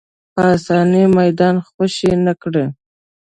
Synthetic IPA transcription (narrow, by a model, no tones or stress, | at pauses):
pəɑsɑnimajd̪ɑnxwəʃenakɽe